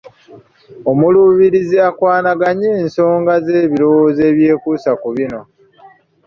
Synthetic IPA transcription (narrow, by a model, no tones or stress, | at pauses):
o̞muluːβiɾiziakwaːnaɡaɲeːnso̞ːŋɡaze̞ːβiɾo̞woːze̞ːβje̞ːkusakuβino̞